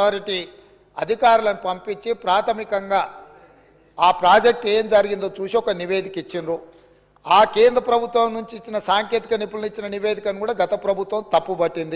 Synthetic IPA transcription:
aːɾiʈi | ɐd̪ʱikaːɾulɐnipɐmpiɲt͡ʃːipɾaːt̪ʰɐmikɐŋɡaː | aːpɾaːd͡ʒek̚ʈeːmd͡ʒɐɾiɡind̪o̞ːt͡ʃuːsiɔkɐniʋe̞ːd̪ʱikit͡ʃːind̪u | aːkeːnd̪ɾɐpɾɐbʱut̪ʋɐmnuɲt͡ʃiːt͡ʃːinɐsaːŋke̞ːt̪ikɐnipːulunit͡ʃːinɐniʋe̞ːd̪ʱikɐnikuːɽaːɡɐt̪ɐpɾɐbʱut̪ʋɐmt̪ɐpːubɐʈːind̪i

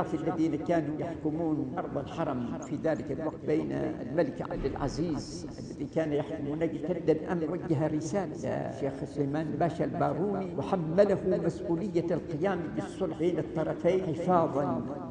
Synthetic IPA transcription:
ɑfɪlːaðiːnakaːnujaħkʊmuːnʔɑɾˤðˤɑlħɑɾˤɑmfiðaːlɪkalwɑɡ̚t̪̚beːna̰lmalɪkʕa̰b̚d̪ɪlʕa̰ziːz | ʔalːaðikaːnajaħkʊmuːnaɡt̪ad̪ːalʔamwaɡːaɦaɾɪsaːlaa̰ʃeːxsʊleːmaːnbaːʃalbaːɾˤuːniwɪħamːalahʊmasʔuːlɪjːalqɪjaːmbɪsˤːʊlbeːnɨt̪ˤːɑɾˤɑfajnħɪfɑːðˤɑn

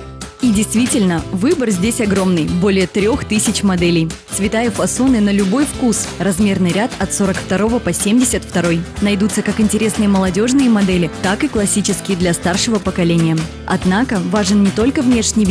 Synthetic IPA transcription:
idʲɪjst̪vʲitʲɪlʲnəvɨbərzʲdʲesʲɐɡɾo̞mnɨjbo̞lʲɪjət̪ɾʲo̞xt̪ɨsʲɪt͡ɕmɐd̪ɛlʲɪjsvʲɪt̪ajəfɐsonɨnəlʲʊbo̞jfkusrɐzmʲe̞rnɨjɾʲat̪ɐt̪so̞ɾəkft̪ɐɾo̞vəpɐsʲemʲdʲɪsʲət̪ft̪ɐɾo̞jnɐjd̪ut̪səkakɪnʲtʲɪɾʲe̞snɨjəməlˠɐdʲo̞ʐnɨjəmɐd̪ɛlʲɪt̪akɨklˠɐsʲit͡ɕɪskʲɪjəd̪lʲɐst̪arʂɨvəpəkɐlʲenʲɪjə | ɐ̰d̪nakəvaʐɨnnʲɪt̪o̞lʲkəvnʲe̞ʂnʲɪj

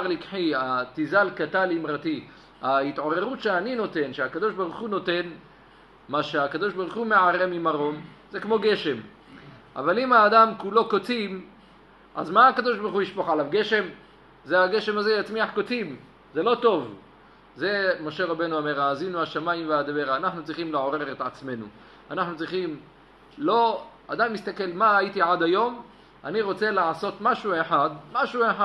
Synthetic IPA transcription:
aʁlikħiatizalkat̪alimʁat̪i | ait̪ʕo̞ʁe̞ʁutʃeanino̞t̪e̞nʃeakad̪o̞ʃbaʁuχuno̞t̪e̞n | maʃeakad̪o̞ʃbaʁuχume̞ʕaʁe̞mimaʁo̞m | zekmo̞ɡe̞ʃe̞m | ʔa̰valimaːd̪amkulo̞kot͡sim | ʔa̰zmaakad̪o̞ʃbaʁuχuiʃpoχalavɡe̞ʃe̞m | zeaɡe̞ʃe̞mazejat͡smiaħkot͡sim | ze̞lo̞t̪o̞v | ze̞mo̞ʃe̞ʁabe̞nuame̞ʁaːzinuaʃamajimvead̪aveʁaːnaħnut͡sʁiχimleʕo̞ʁe̞ʁet̪ʕat͡sme̞nṵ | anaħnut͡sʁiχim | lo̞ | a̰d̪ajimist̪ake̞lmaːjit̪iʕad̪ajo̞m | aniʁo̞t͡se̞leʕaso̞t̪maʃueħad̪maʃueħa

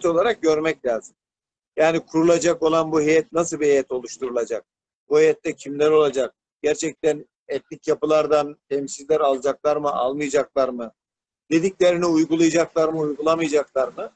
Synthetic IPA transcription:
t̪o̞lˠaɾak̚ɟø̞ɾmɛclʲaːzɯm | jaːnikʰuɾulˠad͡ʒako̞lˠanbuɦejɛt̪̚nas̬ɯlˠbiɦejɛt̪ʰo̞lˠuʃt̪ʰuɾulˠad͡ʒak̚ | buhejɛt̪ːɛcʰimlʲæɾo̞lˠad͡ʒak̚ | ɟ̥æɾt͡ʃʰɛc̚t̪æn | ɛt̪lʲicjapɯlˠaɾd̪ant̪ʰɛmsizlʲæɾalˠd͡ʒaklˠaɾmɯʔa̰lˠmɯjad͡ʒaklˠaɾmɯ | d̪̥e̞d̪iclʲe̞ɾiniujɡulˠajad͡ʒaklˠaɾmɯujɡulˠamɯjad͡ʒaklˠaɾmɯ

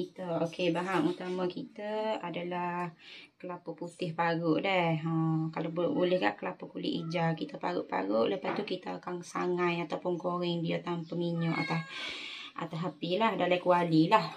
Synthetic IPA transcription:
kit̪əokebaɦaŋut̪amakit̪əadalahkəlapəput̪ɪhpaɾʊʔdɛhɦəkalabbulɪhɡa̰ʔkəlapəkulɪ̰ʔid͡ʒakit̪əpaɾʊ̰ʔpa̰ɾʊʔləpast̪ukit̪əakaŋsa̰ŋajat̪awpʊnkoɾɛŋdiat̪ampəmiɲɔʔa̰t̪asʔa̰t̪asapilaɦdalahkualilah

